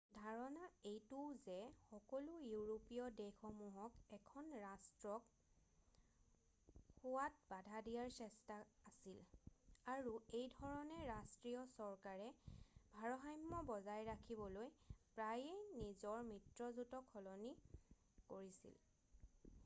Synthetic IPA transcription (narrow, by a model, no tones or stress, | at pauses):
dʱaɹɔnaejtuwzɛxɔkɔlujuɹopijɔdexɔmuɦɔkɛkʰɔnɹastɹɔk | xowat̚badʱadijaɹsɛstaasilaɹuejdʱɔɹɔnɛɹastɹijɔsɔɹkaɹɛbʱaɹɔɦajmːɔbɔzajɹakʰibɔlojpɹajenizɔɹmitɹɔzutɔkʰːɔlɔni | koɹisḭl